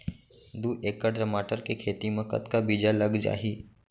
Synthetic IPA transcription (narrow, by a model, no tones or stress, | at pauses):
d̪uːʔeːkːəɖɾəmaːʈəɾkekʰeːt̪imẽkɐ̰t̪kabiːd͡ʒaləɡd͡ʒa̰ːɦiː